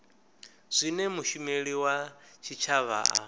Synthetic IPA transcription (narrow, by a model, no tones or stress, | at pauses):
z̥ʷinɛmuʃumeɺiwat͡ʃʰit͡ʃʰaβa̰ʔa̰